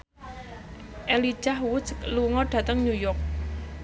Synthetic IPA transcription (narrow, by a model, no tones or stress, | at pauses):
ʔeli̥ʒ̥ahwʊskluŋɔɖ̥ä̤t̪əŋɲujɔk̚